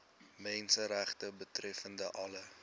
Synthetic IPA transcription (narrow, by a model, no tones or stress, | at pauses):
mɛnsəɾæχtəbətrɛfəndəʔɐlə